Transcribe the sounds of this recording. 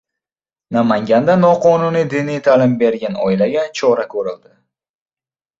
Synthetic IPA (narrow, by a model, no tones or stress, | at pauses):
namaŋɡʲand̪anɒqʰɒnunijd̪ɪnijt̪ʰalɪmbe̞ɾɡʲanɒ̰ɪlaɡʲat͡ʃʰɒɾakʲʰɵɾɪld̪ɪ